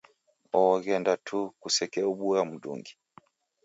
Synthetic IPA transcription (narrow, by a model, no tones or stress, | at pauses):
ɔɣɛndatʰukusɛkɛubuɾamudṵŋɡi